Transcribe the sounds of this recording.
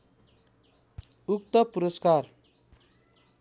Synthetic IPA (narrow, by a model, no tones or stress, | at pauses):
uk̚t̪ʌpuɾʌskar